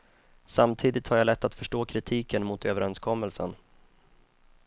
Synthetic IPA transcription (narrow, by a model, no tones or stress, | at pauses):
samt̪ʰiːd̪ɪt̪haɾjalɛt̪ʰːat̪fœʂʈoːkʰɾɪt̪ʰiːkənmʊt̪øːvəɾɛnskʰɔmːəlsə̰n